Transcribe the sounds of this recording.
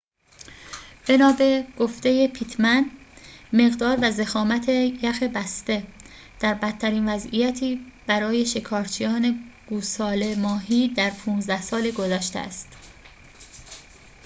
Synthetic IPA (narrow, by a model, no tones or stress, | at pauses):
b̥e̞nɒːbe̞ɡ̥oft̪e̞jepʰit̪ʰmæn | me̞ɣd̪ɒːɾvæzexɒːmæt̪ʰejæxebæst̪e̞ | d̪̥æɾbæt̪ʰːæɾiːnvæzḭjæt̪ʰiːb̥æɾɒːje̞ʃe̞kʰɒːɾt͡ʃʰijɒːne̞ɡ̥uːsɒːle̞mɒːɦiːd̪æɾpʰuːnzd̪æhsɒːleɡo̞zæːʃt̪ḛæ̰st̪